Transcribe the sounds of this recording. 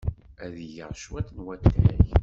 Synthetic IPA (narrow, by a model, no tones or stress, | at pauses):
æðʝəʁʃwæt̪ːnwæt̪ːæç